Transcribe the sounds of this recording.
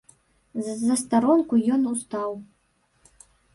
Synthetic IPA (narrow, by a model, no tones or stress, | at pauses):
zːɐst̪aɾɔnkujɔnust̪aw